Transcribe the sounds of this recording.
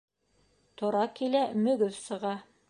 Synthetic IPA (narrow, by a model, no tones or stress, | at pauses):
t̪ŏɾɑkilæmɵ̆ɡɵfsɤ̆ʁɑ